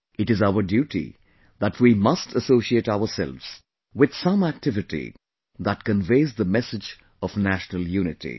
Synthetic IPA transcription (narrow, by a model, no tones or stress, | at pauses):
ɨʈɨzaʊəɾɖjuːʈḭ | ðætʰwimʌstʰəsoːsieʈaʊəsɛ̰lvz̥ | wɪd̪̥sʌ̃mæk̚tɪvɪʈḭ | ðæt̚kə̃nveɪzðəmɛsɪd͡ʒ | ɔvnæʃnəlˠjuːnɪtḭ